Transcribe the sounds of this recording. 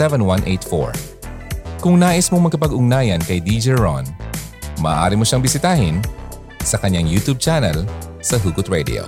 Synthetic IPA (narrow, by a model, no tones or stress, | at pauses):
ɛvɛnwɐ̃nʔḛjt̪fo̰ɹ | kʊŋnaːʔɪsmoŋmɐɡkɐpɐɡʊŋnaːjɐnkɐjd̪id͡ʒɛɹo̰n | mɐːʔa̰ːɾimoʃaŋbɪsɪt̪aːhɪn | sɐkɐɲːaŋjut̪ub̚t͡ʃanɐlsɐɦuɡʊt̪̚ɹɛd̪ɪ̰o̰